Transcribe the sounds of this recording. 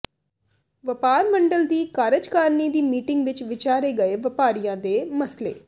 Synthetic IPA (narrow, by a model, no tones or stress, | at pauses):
ʋəpaːɾməɳɖəld̪iːkaːɾəd͡ʒkaːɾniːd̪iːmiːʈɪŋɡʋɪt͡ʃʋɪt͡ʃaːɾeːɡəeːʋəpaːɾijãːd̪eːməslḛː